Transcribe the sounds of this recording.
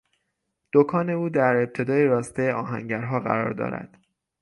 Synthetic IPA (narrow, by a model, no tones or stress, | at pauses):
d̪̥okʰɒːne̞uːd̪æɾe̞p̚t̪ʰe̞d̪ɒːjeɾɒːst̪ejɒːɦæ̰ŋɟæɾɦɒːɢæ̰ɾɒ̰ːɾd̪ɒ̰ːɾæ̰d̪̥